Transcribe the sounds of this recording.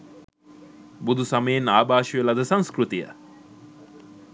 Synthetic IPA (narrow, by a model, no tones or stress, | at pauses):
bud̪ʱusaməjenaːbaːʃiʋelad̪əsaŋskrut̪ijə̰